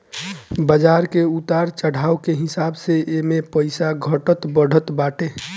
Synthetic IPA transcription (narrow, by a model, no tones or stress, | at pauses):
bəd͡ʒaɾkeut̪aɾt͡ʃəɽ̤ʱaːokeɦɪsabseemepəɪsaɡʱəʈət̪bəɽ̤ʱət̪baːʈe